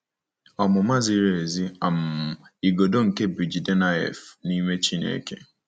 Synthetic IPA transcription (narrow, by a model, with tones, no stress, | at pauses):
ɔ˨mʊ˨ma˦zi˦ɾe˨e˨zi˦a˨m̩˨i˨ɡo˨do˦ŋ̩˨ke˦bi˨d͡ʒi˨de˦na˦ɛ̰˨fni˦mʷe˦t͡ʃi˦nḛ˨˦ke˦